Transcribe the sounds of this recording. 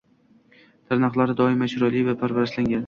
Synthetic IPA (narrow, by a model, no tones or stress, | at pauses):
t̪ʰaɾnɑqlˠaɾɪd̪ɒɪmaʃʊɾalivapʰaɾvaɾaslaŋɡʲan